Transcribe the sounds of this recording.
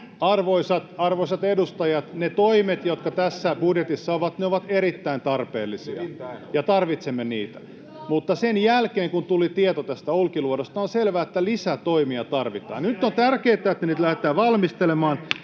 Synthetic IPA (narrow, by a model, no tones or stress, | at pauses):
ɑrʋoisɑt̪ɑrʋoisɑt̪edust̪ɑjɑt̪net̪oimet̪jot̪kɑt̪æsːæb̥udjet̪isːɑoʋɑt̪neoʋɑt̪eɾit̪ːæint̪ɑrpḛːlːisḭɑjɑt̪ɑrʋit̪semːeniːt̪æ̥ | mut̪ːɑsenjælkeːŋkunt̪ulit̪iet̪ot̪æst̪æulkiluodost̪ɑonselʋæːet̪ːælisæt̪oimiɑt̪ɑrʋit̪ɑ̰ːnnyt̪ːont̪ærkeːt̪ːˑæet̪ːæniːt̪læhet̪ːˑæːʋɑlmist̪elemɑːn